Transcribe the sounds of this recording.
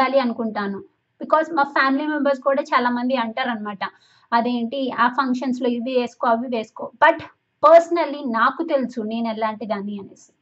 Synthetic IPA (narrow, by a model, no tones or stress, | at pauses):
aːliɐnukuɳʈaːnu | b̥ikɔːzmaːpʰaːmilimembɐɾs̬kuːɽaːt͡ʃaːlaːmɐnd̪iɐɳʈaːɾɐnɐmaːʈɐ | ɐd̪e̞ːɳʈiaːpʰɐŋkʂɐnslo̞ːiʋiʋe̞ːsu̥koːɐʋiʋe̞ːsu̥koːbɐʈ | pɐɾsɐnɐlːinaːkut̪e̞lusune̞ːnɛlaːɳʈid̪aːniɐneːsi